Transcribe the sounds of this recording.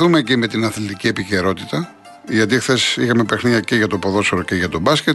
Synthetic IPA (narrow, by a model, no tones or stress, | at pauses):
umeːcime̞t̪inɐθlit̪icie̞pice̞ɾo̞t̪it̪ɐ | ʝɐt̪̬ixθe̞sixɐme̞pexniɐce̞ʝɐt̪opo̞ðo̞seɾo̞ceʝɐt̪o̞bɐscʲet̪